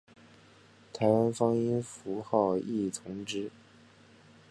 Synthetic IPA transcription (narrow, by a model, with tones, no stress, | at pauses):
t̪ʰa˧˥ɪwa˥nfɑ˥ŋi˥nfu˧˥xɑ˥˧ʊi˥˩t̪ʰʊ˧˥ŋʈ͡ʂɻ̩˥